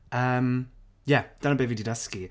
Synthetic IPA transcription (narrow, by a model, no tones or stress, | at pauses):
əm | jad̥anəbevididəski